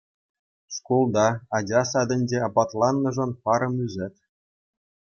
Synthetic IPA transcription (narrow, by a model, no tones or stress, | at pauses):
ʂkulˠd̪ɑɑd͡ʑɑsɑd̪ʲɘ̆nʲd͡ʑeɑpɑt̪lˠɑnːɤ̆ʐɤ̆npɑɾɤ̆myzʲɘ̆t̪